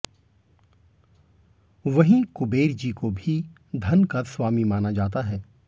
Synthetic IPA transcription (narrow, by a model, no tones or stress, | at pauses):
ʋɐɦĩkʊbeːɾd͡ʒikobʱi | d̪ʱɐnkaswaːmimaːnad͡ʒaːt̪aɦɛː